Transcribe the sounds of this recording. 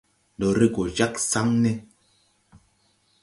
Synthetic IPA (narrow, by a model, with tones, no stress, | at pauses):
dɔ˨ɾe˦ɡo˨d͡ʒa˦ksa˦ŋnɛ˦